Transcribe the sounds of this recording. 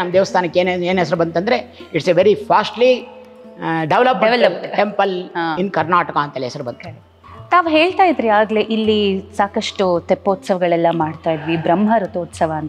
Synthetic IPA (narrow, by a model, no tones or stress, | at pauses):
nɐmɐd̪eːʋɐst̪ʰaːnɐkːeːneːnɛs̬ɐɾubɐnt̪ɐnd̪ɾeiʈseʋeɾipʰaːsʈli | ɖeʋlɐpmʋlɐʈempɐlainkɐɾnaːʈɐkaːɐnt̪ɐlɛsɐɾubɐnt̪ | t̪aːʋɦe̞ːɭt̪aːjid̪ɾiaːɡleʔilːisaːkɐʂʈut̪epːoːt̪sɐʋɐɡɐɭɛlːɐmaːɖt̪aːjid̪ʋibɾɐmːɦɐɾɐt̪uːt̪sɐʋɐɐnt̪ɐ